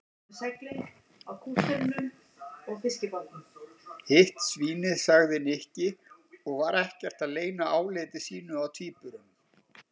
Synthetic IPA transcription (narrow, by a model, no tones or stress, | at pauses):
sɛkɾɪŋ | awkʰuːst̪ʏɾnʏm | ɔɣfɪscɪpɔɾt̪ʏmhɪht̪sviːnɪðsaɣðɪnɪhcɪɔɣvaɾɛhcɛr̥t̪aðleːjnaaːwlɪːt̪ɪsiːnʏawt̪ʰiːpʏɾʏm